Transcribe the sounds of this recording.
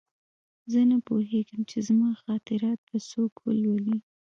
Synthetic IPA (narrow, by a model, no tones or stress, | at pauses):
zənapoɦeɡəmt͡ʃezmɑxɑt̪ɪɾɑt̪̚b̪asokwə̰lwəli